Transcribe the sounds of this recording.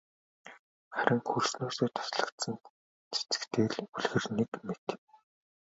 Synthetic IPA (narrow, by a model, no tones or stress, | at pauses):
χæɾə̆ŋxursnoːseːt̪ʰɔ̥sɮə̆kt̪sə̆n | t͡sʰi̥t͡sɘ̥̆kt̪ʰeːɮuɮɣɘ̆rnikmet̪